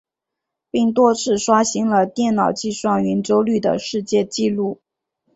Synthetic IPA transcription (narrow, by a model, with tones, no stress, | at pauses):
pi˥˩ŋt̪̬wɔ˥t͡sʰɹ̩˥˩ʂwa˥ɕi˧˥ŋlə˧t̪jɛ˥˩nnɑ˨˩ʊt͡ɕi˥˧swɑ˥˩ŋɥɛ˧˥nʈ͡ʂo˥ʊly˥˩d̪ə̰˩ʂɻ̩˥˧t͡ɕjɛ˥˧t͡ɕi˥˧lu˥˩